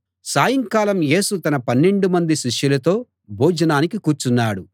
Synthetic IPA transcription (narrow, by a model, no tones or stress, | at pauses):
saːjɐŋkaːlɐmje̞ːsut̪ɐnɐpɐnːe̞ɳɖumɐnd̪iʃiʂjulɐt̪o̞ː | bʱuːd͡ʒɐnaːnikikuːɾt͡ʃunːaːɽu